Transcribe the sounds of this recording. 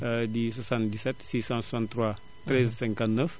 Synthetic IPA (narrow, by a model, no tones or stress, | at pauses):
ədiswasãnt̪disɛt̪siːsɑ̃sɔsãnt̪ːɾwa | t̪ɾɛzsɛ̃ŋkãnt̪nəf